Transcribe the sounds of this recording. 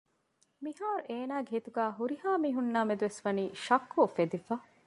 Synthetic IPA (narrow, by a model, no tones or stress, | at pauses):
miɦaːɾuʔeːnaːɡeɦit̪uɡæːɦuɾihaːmiːɦunːaːmed̪uʋesʋɐniːʃɐkːufed̪ifɐ